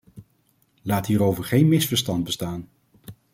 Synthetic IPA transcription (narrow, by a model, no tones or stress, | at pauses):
laːtɦiːɾowvəɹχejnmɪsfəɹstɑnd̚bəstaːn